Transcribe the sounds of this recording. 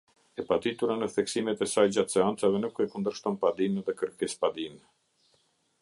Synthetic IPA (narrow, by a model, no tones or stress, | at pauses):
ɛpat̪it̪uɾanəθɛksimɛt̪ɛsajd͡ʑat̪sɛant͡savɛnukɛkund̪əɾʃt̪ɔnpad̪imɛðɛkəɾkɛspad̪im